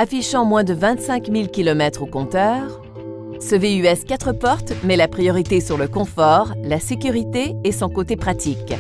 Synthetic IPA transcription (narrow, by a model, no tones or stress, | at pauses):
afiʃɑ̃mwɛ̃d̪əvɛ̃t̪sɛ̃kmilkʲilɔmɛt̪χokɔ̃t̪œːʁ | səveyɛskʲat̪χəpɔʁt̪mɛlapχijɔʁit̪esyʁləkɔ̃fɔʁlasekʲyʁit̪eːsɔ̃kot̪epχat̪ik